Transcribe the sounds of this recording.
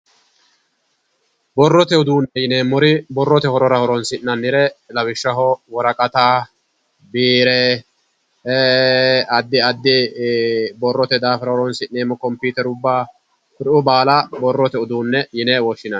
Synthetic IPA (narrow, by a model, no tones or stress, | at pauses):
bɔrːɔt̪ɛʊd̪uːnːɛjɪneːmːɔɾɪbɔrːɔt̪ɛhɔɾɔɾɐhɔɾɔnsɪnːɐnːɪɾɛlɐwɪʃːɐɦɔwɔɾɐkʼɐt̪aː | biːɾɛ | ɐd̪ːɪɐd̪ːɪ | bɔrːɔt̪ɛd̪aːfɪɾɐhɔɾɔnsɪnːeːmːɔkɔmpuːt̪ɛɾʊbːaː | kʊɾɪʊbaːlabɔrːɔt̪ɛʊd̪uːnːɛjɪneːwɔʃːɪnɐn